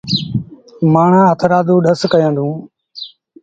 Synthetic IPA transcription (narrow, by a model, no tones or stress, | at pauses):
maːɳ̤ãːɦət̪ʰɾaːd̪ũːɗəskəjə̃ːnd̪ũː